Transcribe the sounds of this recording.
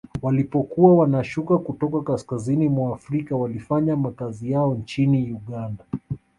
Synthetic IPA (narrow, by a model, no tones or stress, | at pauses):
walipɔkuwawanaʃukakutɔkakaskazinimwaːfɾikawalifaɲamakazijaɔnt͡ʃiniuɠanda